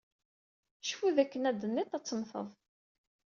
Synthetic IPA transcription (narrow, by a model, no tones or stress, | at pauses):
ʃfuðækːənæd̪ənːit̪ˤæt͡sːəmθə̰ðˤ